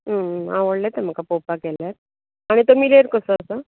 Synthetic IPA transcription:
ɦəãʋəɽlet̪em̤əkapopakɛljat | aɽ̃it̪omileɾkəsəəsə

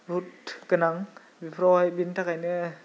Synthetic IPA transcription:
butɡɯnaŋ | bipʰɾɔjbintʰakajnɯ

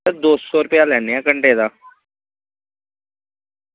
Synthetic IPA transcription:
əd̪oːssɔːɾʊpjaːlɛːneːãːkəɳɖeːd̪aː

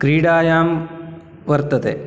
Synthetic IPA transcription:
kɾiːɽaːjaːm | ʋɐɾt̪ɐt̪ḛː

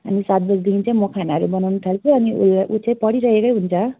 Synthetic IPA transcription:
ʌ̰nisat̪̚bʌd͡zd̪int͡saĩmokʰanaʌɾubʌnawnut̪ʰalt͡sʰuʌniṵlʔut͡sʌ̃ãĩpʌɽiɾʌɦekʌjɦunt͡sʰʌ

